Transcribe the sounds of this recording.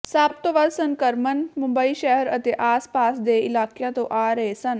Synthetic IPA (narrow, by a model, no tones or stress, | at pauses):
saːp̚t̪oʋad̪səŋkəɾmənmʊ̃mbəiʃɛɦəɾət̪eʔaːspaːsd̪eɪlaːkjãt̪oʔaːɾɐɦesɐn